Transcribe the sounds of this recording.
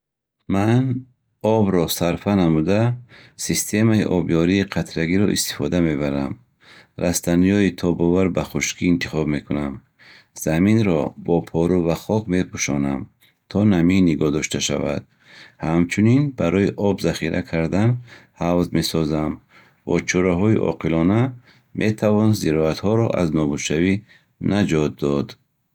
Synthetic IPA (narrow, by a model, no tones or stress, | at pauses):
man | ɔbɾɔsaɾfanamud̪asist̪ʰe̞maiʔɔbjɔɾiːqʰat̪ʰɾaɡiɾɔʔḭst̪i̥fɔd̪ame̞baɾam | ɾʔast̪anijɔit̪ʰɔbɔvaɾbaχuʃkʰiːnt̪ʰiχɔbme̞kunam | z̥aminɾɔbɔpʰɔɾuvaχɔkme̞pʰuʃɔ̰nam | t̪ʰɔnaminːiɡɔhd̪ɔʃt̪ʰaʃa̰va̰d̪̥̚ | hamt͡ʃʰuninbaɾɔiʔɔbzaχiɾʔa̰kʰaɾd̪anhavzme̞sɔzam | bɔ̰t͡ʃʰɔɾaɦɔḭʔɔ̰qʰilɔna | mʔe̞t̪ʰavɔnziɾɔat̪hɔɾɔ̰ʔa̰znɔbuʃavi | nad͡ʒɔt̪̚d̪ɔd̪